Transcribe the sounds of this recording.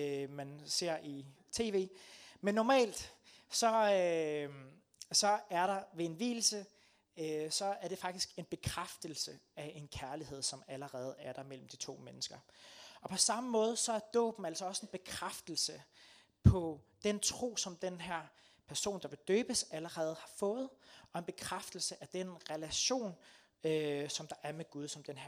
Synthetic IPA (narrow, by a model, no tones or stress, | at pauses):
mænse̝ɐ̰i | t͡sʰe̝̰ːʋe̝̰ːmenːɒmɛ̰ːld̥ | sɒ̽ | sɒ̽æɐɾɑ̈ʋe̝e̝nʋḭːl̩sə | øsɒ̽æɐɾ̥e̝fɑ̈ɡ̥d̥isɡ̥e̝nb̥e̝kʰʁafd̥əl̩sə | æʔe̝nkʰæɐlihe̝ð̞̰ˠsɒ̽mæləʁɛːð̞̩ˠæɐɾ̥ɑ̈mel̰m̩d̥it͡sʰo̝̰ːmenəsɡ̥ɐɒ̽pʰɒ̽sɑ̈məmɔ̽ːð̞ˠsɒ̽æɐd̥ɔ̰̽ːb̥n̩æl̰sɒɒ̽se̝nb̥e̝kʰʁafd̥l̩sə | pʰɒ̽d̥ent͡sʰʁo̝̰ːsɒ̽md̥enɦæɐ̰ | pʰæɐso̝̰ːnd̥ɑ̈ʋe̝d̥øːb̥əsæləʁɛːð̞̩ˠhɑ̈fɔ̽ːð̞̩ˠɒ̽e̝nb̥e̝kʰʁafd̥əl̩səʔæd̥enʁɛlæɕo̝̰ːn | øsɒ̽md̥ɑ̈ʔæɐmeɡ̥uð̞ˠsɒ̽md̥enɦæɐ